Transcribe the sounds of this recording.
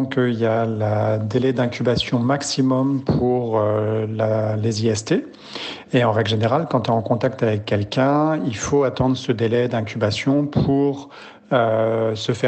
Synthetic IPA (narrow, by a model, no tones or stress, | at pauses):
kəiljaləd̪elɛd̪ɛ̃kʲybasjɔ̃maksimɔmpʰuʁølaleziɛst̪e | eɑ̃ʁɛɡlʒeneʁalkɑ̃t̪yɑ̃kɔ̃t̪akt̪avɛkːɛlkʲɛ̃ilfoat̪ɑ̃d̪ʁəsəd̪elɛd̪ɛ̃kʲybasjɔ̃pʰuʁ | øsəfɛ